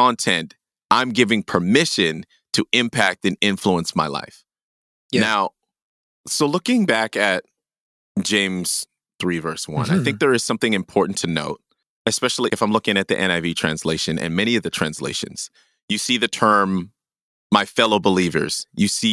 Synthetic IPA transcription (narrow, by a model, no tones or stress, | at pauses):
ɑ̃ntʰɛ̃nt | ãɪ̃mɡɪvɪ̃ŋpʰə˞mɪʃɨ̃n | tʰɨʔɪ̃mpʰæk̚tɨ̃nɪ̃ɱfluə̃nsmaɪla̰ɪf | naʊ | soʊlʊkɪ̃ŋbækɨt̚ | d̥ʒ̥ẽɪ̃mz̥ | θɹivɜ˞swʌ̰̃naɪθɪ̃ŋk̚ðə˞ɨz̥sʌ̃mθɪ̃ŋɨ̃mpʰɔɹʔn̩tʰɨno̰ʊt̚ | ɨspɛʃl̩ˠiɨfãɪ̃mlʊkɪ̃ŋɨt̪̚ðḭʔɛ̃ɾ̃aɪvitʰɹ̥æ̰̃nsleɪʃɨ̃nʔɨ̰̃nmɛɾ̃iʌvðɨtʰɹ̥æ̰̃nslḛɪʃɨ̰̃nz̥ | jɨsiðɨtʰɜ̃˞mː | aɪfɛlˠoʊbəlivə̰˞z̥jɨsi